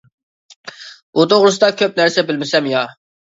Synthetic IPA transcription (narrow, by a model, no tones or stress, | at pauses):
ut̪ʰoʁɾɨsɨd̪ɑkʲʰøp̚næɾsɛbɪlmɪsɛmjɑ